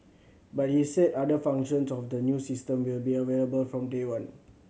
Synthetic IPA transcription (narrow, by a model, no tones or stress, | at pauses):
bat̚hisɛdadəfãŋkʃə̃nsɔfdənjusistə̃mwilbiəweləbəlfɹɔ̃mdewãn